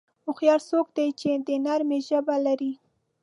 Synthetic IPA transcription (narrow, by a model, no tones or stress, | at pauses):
ʊxjɑɾsokd̪ajt͡ʃed̪ənaɾmeʒəbalaɾi